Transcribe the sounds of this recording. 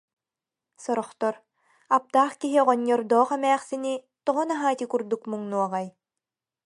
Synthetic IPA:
sɔɾɔχt̪ɔɾ | ap̚t̪aːχkiɦiʁɔɲːɔɾd̪ɔːχɛmɛːχsini | t̪ɔʁɔnaɦaːt̪ʲikuɾd̪ukmuŋnuɔʁaj

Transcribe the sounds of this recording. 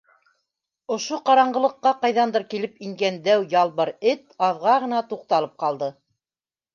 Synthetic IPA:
ŏʃoqɑɾɑɴɢɤ̆lˠɤ̆qːɑqɑjðɑnd̪ɤɾkilɘpiŋɡænd̪æwjɑlˠβɤɾɘt̪ɑðʁɑʁɤ̆nɑt̪uq̚t̪ɑlˠɤp̚qɑlˠd̪ɤ

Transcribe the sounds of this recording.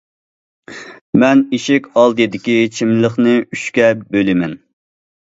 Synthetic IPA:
mɛniʃɪkʲɑlˠd̪ɨjid̪ɪkʲit͡ʃʰimləχnɨyʃkʲɛbølɪmɛn

